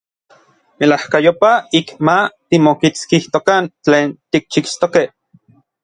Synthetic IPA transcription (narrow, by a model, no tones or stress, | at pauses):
melahkajopaikmat̪imokit͡skiht̪okant͡ɬeːnt̪ik̚t͡ʃikst̪okeh